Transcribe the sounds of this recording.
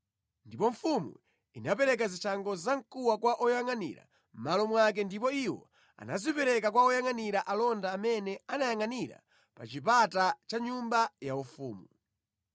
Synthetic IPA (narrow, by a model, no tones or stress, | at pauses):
ndipɔɱ̩fumṵ | inapɛɾɛk̬azit͡ʃʰaŋɡɔzaŋkuwakwaʔɔjaŋanḭɾa̰ | m̩malɔmwak̬ɛndipɔiwɔ̰ | a̰nazipɛɾɛkakwaɔjaŋaniɾaʔalɔndaːmɛnɛanajaŋaniɾa̰ | pat͡ʃip̬atat͡ʃaɲumbajaufuːmu